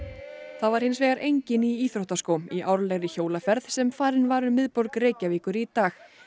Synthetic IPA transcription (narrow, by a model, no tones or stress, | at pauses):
θavaɾ̥hɪnsvɛːɣaɾʔejɲcɪniiːθɾowht̪askowmiʔawɾlɛɣɾɪçoːwlafɛɾðsɛmfaːɾɪnvaːɾʏmɪðpɔɾkreːjcaviːkʏɾit̪aːx